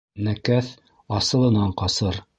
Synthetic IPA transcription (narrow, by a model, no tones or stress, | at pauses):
nækæθ | ɑsɤ̆lˠɤ̆nɑɴqɑsɤɾ